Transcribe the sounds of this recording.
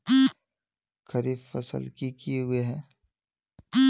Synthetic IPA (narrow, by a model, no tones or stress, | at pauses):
kʰɐɾiːffɐ̰sə̰lkikijeɦʊeɦɛː